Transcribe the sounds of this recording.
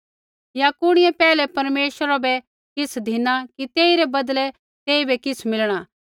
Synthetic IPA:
jakʊɽ̃ɪjɛpɛːlɛpɐɾmeːʃəɾabɛ | kɪsʰd̪ʱɪnakit̪eːiɾɛbɐd̪lɛ | t̪eːibɛkɪsʰmɪlɽ̃a

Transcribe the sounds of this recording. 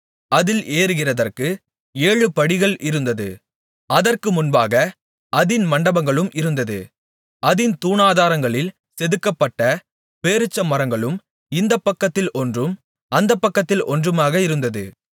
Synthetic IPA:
ɐðɪleːɾɯɣɪrɐðɐrkɯ | eːɻɯpɐɽɪɣɐɭɪɾɯnd̪ɐðɯ̰ | ɐðɐrkɯmʊnbaːɣɐ | ɐðɪnmɐɳɖɐbɐŋɡɐɭɯmʔɪɾɯnd̪ɐðɯ̰ | ɐðɪnt̪uːnaːðaːɾɐŋɡɐɭɪl | sɛðɯkːɐpːɐʈːɐ | peːɾɯt͡ʃːɐmːɐɾɐŋɡɐɭɯm | ɪnd̪ɐpːɐkːɐt̪ːɪlɔndrɯm | ʔɐnd̪ɐpːɐkːɐt̪ːɪlɔndrɯmaːɣɐɪɾɯnd̪ɐðɯ̰

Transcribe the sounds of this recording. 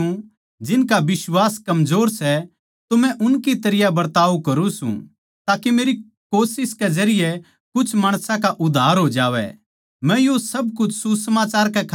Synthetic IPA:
ũ | d͡ʒɪnkabɪswaːskɐmzoːɾsɛ | t̪ʊmɛ̃ʔʊnkit̪ɐɾɪjabɐɾt̪aːʋukɐɾũsṵ̃ | t̪aːkemeːɾi | koːsɪskɛd͡ʒɐɾɪjɛ | kʊt͡ʃʰmaːɽ̃sãkaʔʊd̪ʱːaːɾɦoːd͡ʒaːʋɛ̰ | mɛ̃josɐbkʊt͡ʃʰsusɐmaːt͡ʃaːɾkɛkʰ

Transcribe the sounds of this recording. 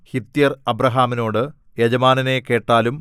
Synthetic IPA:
hit̪ːjɐrɐbɾɐɦaːmino̞ːɽɨ | jed͡ʑɐmaːnɐne̞ke̞ːʈːaːlum

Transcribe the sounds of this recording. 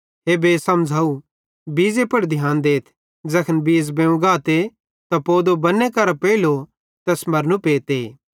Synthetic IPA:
ɦebeːsɐmd͡zʱaːu | biːzepɐɽd̪ʱjaːnd̪eːt̪ʰ | d͡ʒɐkʰənbiːzbẽũɡaːt̪e | t̪apoːd̪obɐnẽkɐɾapeːilo | t̪ɛːsmɐɾnũpeːt̪eː

